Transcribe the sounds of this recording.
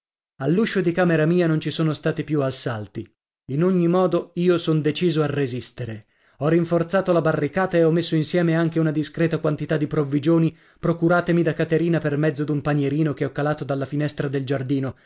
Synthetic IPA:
alːuʃːod̪ikaːmeɾamiːanont͡ʃisoːnost̪aːt̪ipjuasːalt̪i | inoɲːimɔːd̪oiːosond̪et͡ʃiːzoarːezist̪eɾe | ɔriɱfort̪saːt̪olabarːikaːt̪aeɔmːesːoinsjɛːmeaŋk̟eunad̪iskɾɛːt̪akwant̪it̪ad̪ːipɾovːid͡ʒoːni | pɾokuɾaːt̪emid̪akːat̪eɾiːnapermɛd̪zːod̪umpaɲeɾiːnokeɔkːalaːt̪od̪alːafinɛst̪ɾad̪eld͡ʒard̪iːno

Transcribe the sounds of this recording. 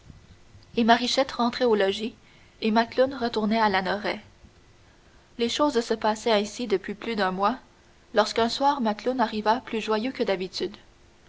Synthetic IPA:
emaʁiʃɛt̪ʁɑ̃t̪χɛolɔʒi | emat̪lʊnʁət̪uʁnɛalanɔʁɛ | leʃoːzsəpasɛɛ̃sid̪əpɥiplyd̪œ̃mwa | lɔʁskœ̃swaːʁmat̪lʊnaʁivaplyʒwajøkəd̪abit̪yd̪

